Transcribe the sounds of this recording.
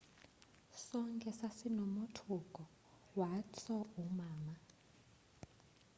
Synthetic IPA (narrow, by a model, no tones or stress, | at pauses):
sɔŋkʼɛsasinomutʰukʼɔ | wat͡sʰɔumaːma